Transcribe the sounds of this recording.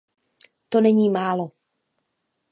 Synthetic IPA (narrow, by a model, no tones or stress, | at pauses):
t̪onɛɲiːmaːlo